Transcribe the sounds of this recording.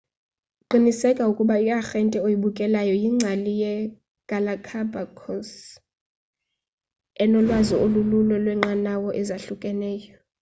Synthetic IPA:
ǃinisɛkʼaukʼuɓaikʼaxɛntʼɛojiɓukʼɛlajɔjiŋ͡ǀʱalijɛ | ɡ̥ʱalakʰabʱakʰɔns | ɛnɔlwaziolululwɛlwɛŋ͡ǁanawɔʔɛzaɬukʼɛnɛːjɔ

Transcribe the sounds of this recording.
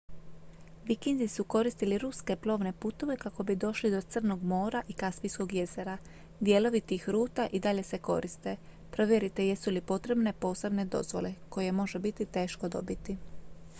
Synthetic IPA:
ʋikinzisuko̞ɾist̪iliɾuske̞plˠo̞ːʋne̞put̪o̞ʋe̞kako̞bid̪o̞ʃlid̪o̞t̪sɨr̩no̞ɡmo̞ːɾaʔikaspijsko̞ɡje̞ze̞ɾa | d̪je̞ːlo̞ʋit̪iːxɾuːt̪aʔid̪aʎe̞se̞ko̞̰ɾist̪e̞ | pɾo̞ʋje̞ɾit̪e̞jesulipo̞t̪ɾe̞bne̞po̞ːse̞bne̞d̪o̞̰zʋo̞̰le̞ko̞je̞mo̞ʒebit̪it̪e̞ːʃko̞d̪o̞̰bit̪i

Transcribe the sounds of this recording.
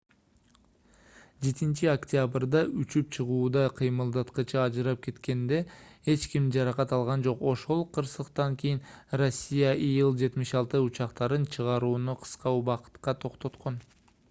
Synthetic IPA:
d͡ʒe̞t̪int͡ʃiokt̪ʲabrd̪ɑʔyt͡ʃypt͡ʃʰɨʁuːd̪ɑqʰijmɯlˠd̪ɑt̪qət͡ʃʰɑɑd͡ʒɨɾɑp̚ke̞t̪ke̞nd̪e̞he̞t͡ʃkimd͡ʒɑɾɑqɑt̪ɑlˠʁɑnd͡ʒo̞qo̞ʃo̞lˠqʰəɾsəqt̪ɑŋkʲʰijinro̞sʲːijaʔijɯlˠd͡ʒe̞t̪mɪʃɑlˠt̪ɯut͡ʃɑqt̪ɑɾɯnt͡ʃʰəʁɑɾuːnuqʰə̥sqɑuβɑqə̥t̪qɑt̪ʰo̞qt̪o̞t̪qʰo̞n

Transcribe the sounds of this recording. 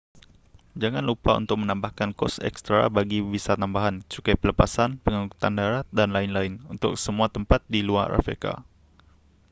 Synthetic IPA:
d͡ʒaŋanlupaṵnt̪ʊk̚mənãmbahkankɔ̰sɛ̰kst̪ɾa̰baɡibisat̪ambaɦant͡ʃukapələpasanpəŋaku̥t̪andaɾat̪̚danlaɪnlaɪnunt̪ʊ̰k̚səmũat̪əmpat̪̚dilua̰ra̰fḛka̰

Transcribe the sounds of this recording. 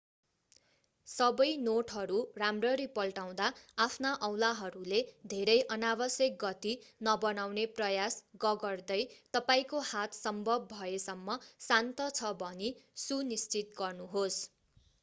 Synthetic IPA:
sʌbʌjnoʈɦʌɾuramrʌɾipʌlʈaw̃d̪aapʰnaʔʌwlaɦʌɾuled̪ʱeɾʌjʔʌnabʌsjʌk̚ɡʌt̪inʌbʌnawneprʌjasɡʌɡʌrd̪ʌjt̪ʌpaĩkohat̪sʌmbʱʌb̚ːʱʌesʌmːʌsant̪ʌt͡sʰʌbʱʌnisunist͡sit̪ɡʌrnuɦos

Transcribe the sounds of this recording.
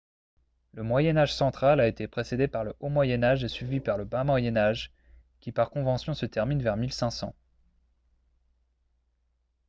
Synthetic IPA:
ləmwajɛnaʒsɑ̃t̪χalaet̪epχesed̪epaʁləʔomwajɛnaʒesɥivipaʁləbamwajɛnaʒ | kʲipaʁkɔ̃vɑ̃sjɔ̃sət̪ɛʁminvɛʁmilsɛ̃sɑ̰̃

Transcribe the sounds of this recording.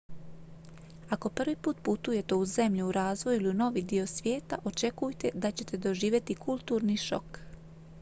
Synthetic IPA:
ako̞pr̩ʋipuːt̪put̪uje̞t̪e̞uze̞mʎuuɾaːzʋo̞juiliuno̞ʋid̪io̞sʋje̞ːt̪aʔo̞t͡ʃe̞kujt̪e̞d̪at͡ɕe̞t̪e̞d̪o̞ʒiːʋje̞t̪ikʰulˠt̪uːɾniʃo̞̰k

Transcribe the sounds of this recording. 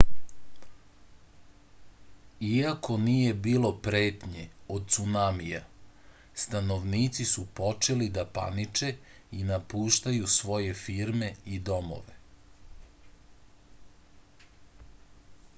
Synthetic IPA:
iako̞nije̞biːlo̞pɾe̞ːt̪ɲeod̪̚t̪sunamija | st̪anoʋniːt̪sisupo̞t͡ʃe̞lid̪apa̰nit͡ʃe̞ | inapuːʃt̪ajusʋo̞je̞fiɾme̞id̪o̞mo̰ʋe

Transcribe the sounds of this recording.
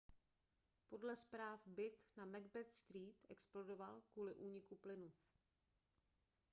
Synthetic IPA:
po̞dlɛspɾaːfbɪt̪namɛɡbɛt̪st̪ɾiːt̪ɛ̰ksplodovalkuːlɪʔuːɲɪkuplɪnu

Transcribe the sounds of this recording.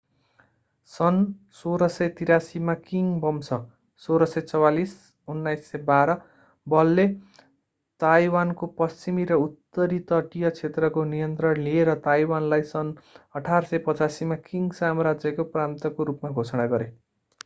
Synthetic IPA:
sʌnsoɾʌsʌjt̪iɾasimakiŋbʌmsʌ | soɾʌsʌjt͡sʌwalis | unːajsːʌbaɾʌ | bʌlːe | t̪ajwankopʌst͡simiɾʌut̪ːʌɾit̪ʌʈijʌt͡sʰet̪rʌkonijʌnt̪rʌnlieɾʌt̪ajwanlajsʌnʌʈʰarsʌjpʌt͡sasimakiŋɡsamʌɾad͡zjʌkopramt̪ʌkoɾupmaɡʱosʌɽaɡʌɾe

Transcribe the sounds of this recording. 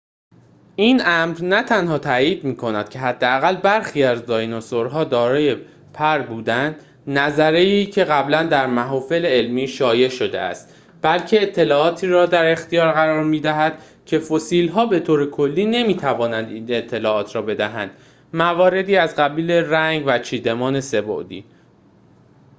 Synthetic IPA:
ʔinʔæmɾnæt̪ʰænhɒːt̪ʰæːjiːd̪miːkʰonæd̪̥̚cʰe̞ɦæd̪ːeæɣælbæɾxiːæzd̪ɒːjnɒsoɾɦɒːd̪ɒːɾɒːje̞ | pʰæɾbuːd̪ænd̪ | næzæɾeiːcʰe̞ɣæblænd̪æɾmæɦɒːfe̞leelmiːʃɒːje̞ʃo̞d̪eæ̰st̪ | b̥ælcʰe̞ːt̪ʰːe̞lɒːɒːt̪ʰiːɾɒːd̪æɾe̞xt̪ijɒːɾɣæɾɒːɾmiːd̪æɦæd̪̥ | cʰe̞fosiːlɦɒːbe̞t̪ʰoːɾe̞kʰo̞lːiːne̞miːt̪ʰævɒːnænd̪iːne̞t̪ʰːe̞lɒːɒːt̪ʰɾɒːbe̞d̪æɦæ̰nd̪̥ | mævɒːɾe̞d̪iːæzɢæbiːle̞ɾæŋɡvæt͡ʃʰiːd̪e̞mɒːne̞se̞bo̰ʔd̪iː

